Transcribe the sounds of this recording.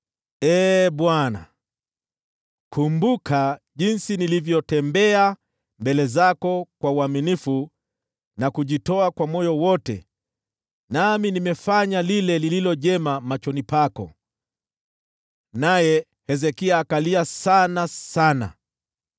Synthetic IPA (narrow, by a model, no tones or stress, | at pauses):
ɛːɓwana̰ | kumbuka | ʄinsinilivjɔtɛmbɛa | mbɛlɛzakɔkwauaminifu | nakuʄitɔakwamɔjɔwɔtɛ̰ | naminimɛfaɲalilɛlililɔʄɛmamat͡ʃɔnipakɔ̰ | najɛ | hɛzɛkiaːkaliasanasana̰